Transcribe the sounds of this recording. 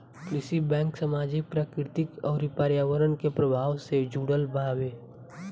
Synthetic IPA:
plɪsibɛ̃ːŋksəmaːd͡ʒik̚pɾaːkɾɪt̪ɪkɔːɾipaːɾjaːʋəɾənkepɾəbʱaːʋsed͡ʒuːɽəlbaːwe

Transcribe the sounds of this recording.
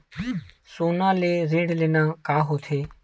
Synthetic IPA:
soːnãːleːɾĩːɳɖleːnãːkaːɦoːt̪ʰeː

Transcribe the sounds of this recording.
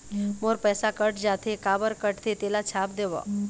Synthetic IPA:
moɾpɛsakəʈd͡ʒat̪ʰekabəɾkəʈt̪ʰet̪elat͡ʃʰap̚d̪eʋɔ̰

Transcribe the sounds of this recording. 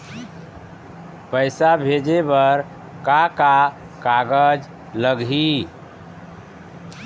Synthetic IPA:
pəɪsabʱed͡ʒebəɾ | kaka | kaɡəd͡ʒ | ləɡɦi

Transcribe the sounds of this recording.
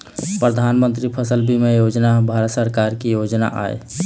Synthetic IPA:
pɾəd̪ʱanmənt̪ɾipʰəsəlbʱimejod͡ʒnabʱaɾət̪səɾkaɾkijod͡ʒna̰ʔa̰ḛ

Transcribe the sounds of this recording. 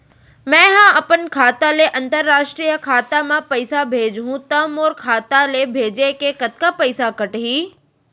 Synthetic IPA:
mɛ̃ːɦãʔɐpənkʰaːt̪aleʔɐ̃nt̪əɾːaːʃʈɾijəkʰaːt̪amãpɐɪsabʱeːd͡ʒɦũt̪ɐmoːɾkʰaːt̪alebʱeːd͡ʑekekɐt̪kapəɪsakəʈɦiː

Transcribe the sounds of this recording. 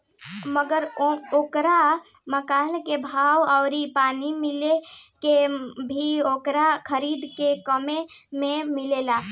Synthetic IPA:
məɡəɾooːkɾa | məkaːnkebʱaːwaʊɾipaːnimilekebʱiokɾakʰəɾid̪kekəmemẽmilela

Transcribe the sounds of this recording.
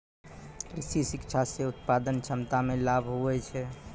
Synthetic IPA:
ɾisisɪkʃʰaseʊt̪̚pad̪ənt͡ʃʰəmt̪amẽlabʱɦoʋɛt͡ʃʰɛ

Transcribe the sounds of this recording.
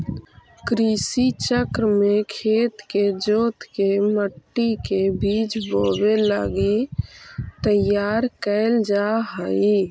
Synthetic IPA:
kɾisit͡ʃəkɾmekʰeːt̪ked͡ʒoːt̪keməʈːikebʱiːt͡ʃboːbeləɡi | t̪əjaːɾkəɪld͡ʒaɦəi

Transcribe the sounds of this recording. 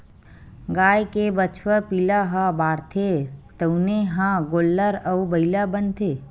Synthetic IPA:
ɡaːjkebət͡ʃʰwəpiːlaɦabaːɾt̪ʰet̪əuneɦãɡoːlːəɾəubəilabənt̪ʰe

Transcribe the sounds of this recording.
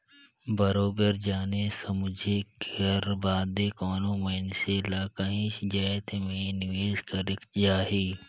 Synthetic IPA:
bɐɾoːbəɾd͡ʒaːnesɐmʊd͡ʒʱekəɾbaːd̪ekɔːnõmɐnselaːkaɦĩːʃd͡ʒɐːt̪emẽnʋeːzkɐɾɪkd͡ʒaːɦiː

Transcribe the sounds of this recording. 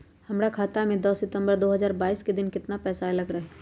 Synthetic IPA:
hɐmɾakʰaːt̪amẽd̪ɔːsɪt̪ə̃mbəɾd̪oːɦɐzaːɾbaːiːsked̪ɪnkɪt̪napɛːsaelɐɡɾɐɦɛ

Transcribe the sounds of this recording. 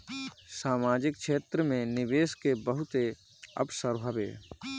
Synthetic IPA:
saːmaːd͡ʒɪk̚ʃʰeːt̪ɾəmẽnɪʋeːskebəɦʊt̪e | ə̰psəɾɦəbḛː

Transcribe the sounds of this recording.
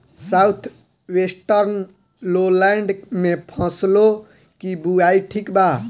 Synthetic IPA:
saut̪ʰ | ʋesʈəɾn | lolɛ̃ɳɖmẽpʰə̃slo | kibuaiʈʰikba

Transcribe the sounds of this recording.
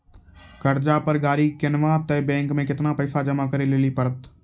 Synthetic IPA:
kəɾd͡ʒapəɾɡaːɾikɪnʋãt̪ɛːbɛ̃ːŋkmẽkɪt̪napɛːsad͡ʒəmakəɾeleːlipəɾət̪

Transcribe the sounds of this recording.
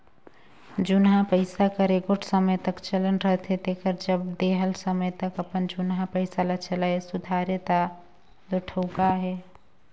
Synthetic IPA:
d͡ʒunɦãpəɪsakəɾeɡoʈʰsəmət̪əkt͡ʃələnɾəɦt̪ɦet̪ekəɾd͡ʒəbd̪eɦəlsəməjt̪əkəpənd͡ʒunɦãpəɪsalat͡ʃəlaesʊd̪ʱaɾjət̪a | d̪oʈʰəʊkaɦɛ

